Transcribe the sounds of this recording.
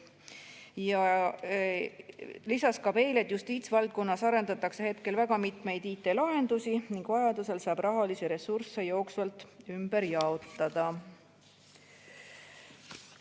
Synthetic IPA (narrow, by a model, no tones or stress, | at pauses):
jɑ | lisɑskɑb̥e̞jle̞t̪ːˑjust̪iːt̪svɑlt̪̚ko̞nːɑsɑɾe̞nd̪ɑt̪ːˑɑkse̞he̞t̪ke̞lvæɡ̥ɑmit̪ˑme̞jd̪̥iːt̪ːˑe̞lɑɦe̞nd̪̥usiniŋɡ̥vɑjɑd̪use̞lsɑːb̥rɑɦɑliseɾe̞surse̞jo̞ːksvɑlt̪ːˑymb̥e̞ɾjɑo̞t̪ːˑɑd̪̥ɑ